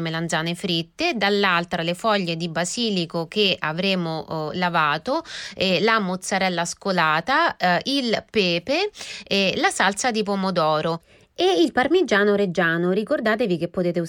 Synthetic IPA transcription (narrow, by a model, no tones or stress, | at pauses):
meland̪zaːnefɾit̪ːed̪alːalt̪ɾalefɔʎːed̪ibaziːlikok̟eavɾeːmolavaːt̪oɛlamot̪sːaɾɛlːaskolaːt̪ailpɛːpeɛlasalt̪sad̪ip̬omod̪ɔːɾo | eilparmid͡ʒaːnoɾed͡ʒaːnoɾikord̪aːt̪evik̟epːot̪eːt̪e